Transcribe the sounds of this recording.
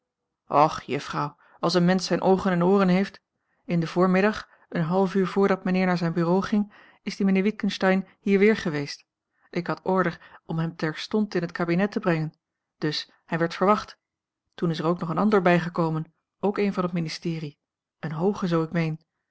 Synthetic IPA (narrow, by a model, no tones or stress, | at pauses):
ʔɔχjəfrɑw | ɑlˠs̬ənmɛnsɛjnʔowχənɛnoːrənɦejft | ɪndəvʊːɹmɪdɑχ | ənɦɑlˠfyːɹvʊːɹdɑt̚mənɪːɹnaːɹzɛjnbyːrowχɪŋ | ɪzdimənɪːɹʋit̚kənstɛjnhiːɹʋɪːɹχəʋejst | ʔɪkɦɑtɔɹdəɹɔmɦɛmtɛɹstɔntɪnɦətkaːbinɛtəbrɛŋən | d̥ɵs | hɛjʋɛɹtfəɹʋɑχt | tunɪsəɹowknɔχənɑndəɹbɛjχəkowmən | owkejnvɑnɦətministɪːri | ənɦowχəzowɪkmejn